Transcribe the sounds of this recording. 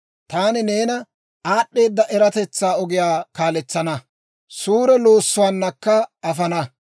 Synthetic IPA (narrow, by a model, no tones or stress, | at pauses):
t̪aːnɪneːnɐ | aːɗːe̞ːd̪ːɐʔɛɾɐt̪ɛt͡sːaːɔɡɪjaːkaːlɛt͡sːɐnɐ | suːɾɛlo̞ːsːʊwaːnːɐkːɐɐfɐnɐ